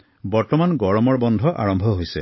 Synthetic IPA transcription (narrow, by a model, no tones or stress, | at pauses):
bɔɹtɔmanɡɔɹɔmɔɹbɔnd̪ʱɔʔa̰ɹɔmbʱɔɦojsɛ